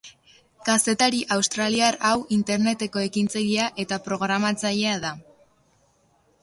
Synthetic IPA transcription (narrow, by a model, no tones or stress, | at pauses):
kase̞t̪aɾiʔawst̪ɾaliaɾawint̪e̞ɾne̞t̪e̞ko̞e̞kint͡saʎiaʔe̞t̪apɾo̞ɣ̞ɾamat͡saʎe̞aða